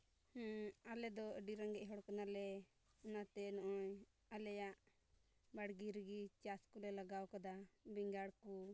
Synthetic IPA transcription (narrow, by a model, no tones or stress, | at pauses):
halɛd̪ɔɖiɾaŋɡɛʔɦɔɽkanalɛ | ɔnat̪ɛnɔʔɔɲ | alɛjaʔ | baɽɡiɾəɡit͡ʃaskulɛlaɡawkad̪abiŋɡaɽku